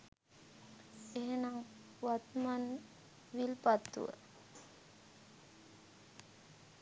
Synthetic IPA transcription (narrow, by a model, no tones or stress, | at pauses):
eɦenaŋ | ʋat̪man | ʋilpat̪ːṵʋə̰